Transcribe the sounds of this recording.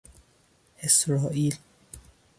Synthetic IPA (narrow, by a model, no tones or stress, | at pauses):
hesɾɑːʔiːl